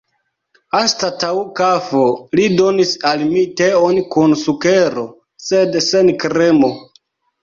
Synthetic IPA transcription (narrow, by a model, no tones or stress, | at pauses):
astataukafolido̞nisalmiteonkunsuke̞ɾo̞ | sedse̞nkɾemo̞